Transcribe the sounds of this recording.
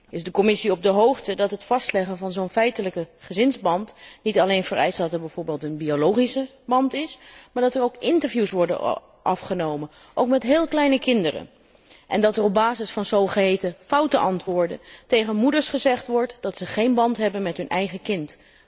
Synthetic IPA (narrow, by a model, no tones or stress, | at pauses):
ɪzdəkɔmɪsiɔb̚dəɦowχtədɑtɦətfɑstlɛχənvɑnzownfɛjtələkəχəzɪnzbɑntnitɑlejnvəɹɛ̰jstdɑtɛɹbɛjv̥ʊːɹbeːlˠtənbiolowχisə | bɑntɪsmaːɹdɑtəɹowkɪntəɹvjusʋɔɹdə̰n | ʔɑfχənowmən | ʔowkmɛtɦɪːlˠklɛjnəkɪndərə̰ | ʔɛ̰ndɑtərɔb̚baːzɪsfɑnzowχəɦejtəfɑwtənʔɑntʋʊːɹdə̰ntejχənmudəɹsχəzɛχtʋɔɹtdɑtsəχejnbɑntɦɛbənmɛtɦɵnʔɛjχəkɪnt